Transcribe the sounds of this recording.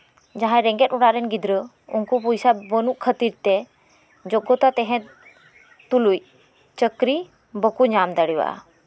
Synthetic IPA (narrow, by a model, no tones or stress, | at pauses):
d͡ʒaɦãɾɛ̃ŋɡɛt̪uɽaɾɛnɡid̪ɾə | ṵnkupujsabənuʔkʰət̪iɾt̪ɛ | d͡ʒɔɡɔt̪at̪ɛɦɛ̃t̪ | t̪uluj | t͡ʃəkɾi | bəkuɲamd̪aɽiwa̰ʔa̰